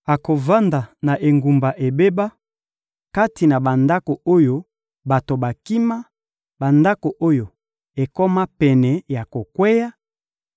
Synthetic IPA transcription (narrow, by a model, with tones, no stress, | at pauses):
a˨ko˨va˦nda˨na˨ʔe˨ŋɡu˨mba˨ʔe˨be˦ba˦ | ka˦ti˨na˨ba˨nda˦ko˨o˦jo˦ | ba˨to˨ba˨ki˦ma˦ | ba˨nda˦ko˨ʔo˦jo˨ | e˨kɔ˦ma˦pɛ˨nɛ˨ja˨ko˨kwɛ˦ja˦